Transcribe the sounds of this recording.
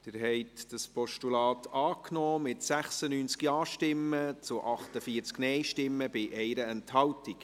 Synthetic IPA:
d̥ɪɾɦɛɪtd̥ɑspɔʃtulɑːt̪ʰɑːknɔːmɪtsæχsənyːnt͡skiɑːʃtɪmːət͡sʊʔɑχtəfiːəɾt͡sknɛjʃtɪmːəbɪʔɛɪɾəɛnthɑltik

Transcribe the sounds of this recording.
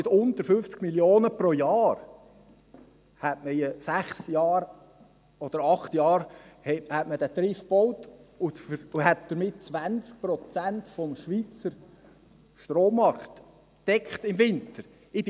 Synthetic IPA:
ɪtʊnt̪əɾfʏft͡skmiljoːnəpɾojɑːr | hætməjəsæχsjɑːɾ | ɔd̥̪əɾɑχt̪jɑːɾhɛhætmədæt̪ɾɪfb̥ɔwtʊfəʊhæt̚d̥̪əɾmɪt̚t͡sʋænt͡sk̚pɾɔt͡sæntfɔmʃʋit͡səɾ | ʃtroːmɑɾχt̪ | d̥ɛkχt̪ɪmvɪnt̪əɾ | ɪd

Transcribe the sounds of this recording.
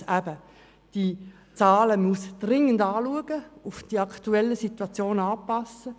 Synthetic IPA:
æb̥ə | d̥i | t͡sɑːləmusd̥rɪŋəndɑːluəɡ̥əʊfd̥iɑktuɛlːəsituɑt͡sjoːnɑːpɑsə

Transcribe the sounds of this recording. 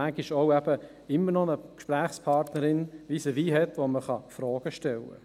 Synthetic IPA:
æɡiʃoʊɛb̥ə | ɪmːəɾnɔnəkʃpɾæːχspʰɑɾtnəɾɪnʋisəʋiːɦɛt̪ʋoməχɑ̰fɾɔːɡ̥əʃtɛlːə̰

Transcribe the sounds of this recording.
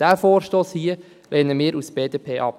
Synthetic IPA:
d̥æːfoːɾʃtoːshiə | lʔeːnəmɪːɾusb̥eːdeːpʰeːʔɑp̚

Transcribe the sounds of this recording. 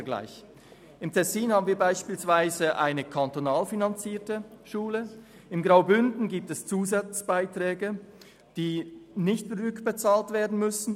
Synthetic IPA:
ɡla̰ɪç | ɪmtʰɛsiːnhaːbn̩viːɐbaɪʃpiːlsv̥aɪzəʔa̰ɪnəkʰantonaːlfinant͡siːɐtəʃuːlə | ɪmɡʁaʊbʏndn̩ɡiːp̚tɛst͡suːzat͡sb̥aɪtʁ̥ɛːɡə | d̥iːnɪçtfɾʏkb̥ət͡saːltv̥eːɐdn̩mʏsn̩

